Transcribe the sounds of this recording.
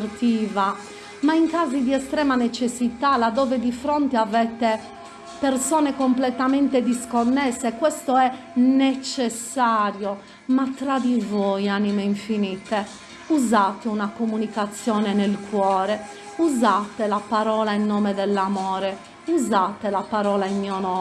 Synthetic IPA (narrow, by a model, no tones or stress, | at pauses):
rt̪iːva | maiŋkaːzid̪iɛst̪ɾɛːmanet͡ʃesːit̪alad̪ːɔːved̪ifɾont̪eavɛt̪e | persɔːnekomplɛt̪amɛnt̪ed̪iskonːɛsːekwɛst̪oɛ | net͡ʃɛsːaːɾjo | mat̪ɾad̪ivojanimeiɱfiniːt̪e | uzaːt̪eunakomunikat̪sːjɔːnɛnelkwɔːɾɛ | uzaːt̪elapaɾɔːlainːɔːmed̪ɛlːamɔːɾɛ | uzaːt̪elapaɾɔːlainmiːɔnɔ